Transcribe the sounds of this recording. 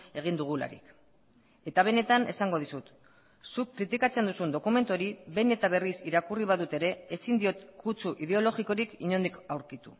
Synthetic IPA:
e̞ɣ̞ind̪uɣ̞ula̰ɾḭk | e̞t̪aβ̞e̞ne̞t̪ane̞saŋɡo̞ð̞isut̪ | sukːɾit̪ikat͡se̞nd̪usund̪o̞kume̞nt̪uoɾiβe̞ne̞t̪aβ̞e̞risiɾakuriβ̞aðut̪e̞ɾe̞ːsind̪io̞t̪kut͡suʔið̞e̞o̞lo̞ɣiko̞ɾikiɲo̞nd̪ikawɾkit̪ṵ

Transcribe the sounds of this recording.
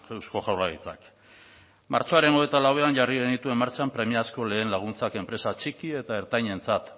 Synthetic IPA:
ewsko̞ʝawraɣit͡sa̰k | ma̰ɾt͡ʃo̞aɾe̞no̞et̪alawe̞anʝariɣenit̪ue̞maɾt͡sampɾe̞miasko̞le̞ːnlaɣ̞unt͡sake̞mpɾe̞sat͡sikie̞t̪ae̞ɾt̪ajɲe̞nt͡sat̪

